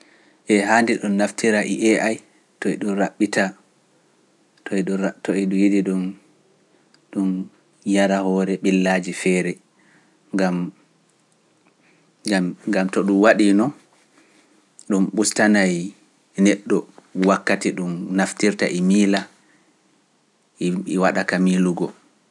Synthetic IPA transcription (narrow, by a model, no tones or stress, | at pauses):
ʔɛɦandiɗumnaftiɾaʔiʔɛʔaj | tɔɛɗuɾaɓːita | tɔtɔɛɗujidiɗun | ɗum | jaɾahɔɾɛɓilːad͡ʒifɛːɾɛ | ŋɡam | ɡamtɔɗumwaɗinɔ | ɗumɓustanaj | nɛɗːɔwakːatiɗumnaftiɾta̰ʔimiːla | iwaɗakamiluɡɔ